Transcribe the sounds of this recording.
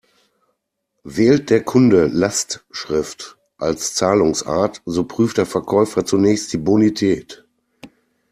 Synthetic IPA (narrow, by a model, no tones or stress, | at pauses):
vɛːlt̚d̥eːɐkʰʊndəlastʃʁ̥ɪft | ʔalst͡saːlʊŋsʔa̰ːɐtzoːpʁ̥yːftd̥eːɐfɛɐkʰɔʏfɐt͡sunɛːçst̚d̥iːbonitʰɛːt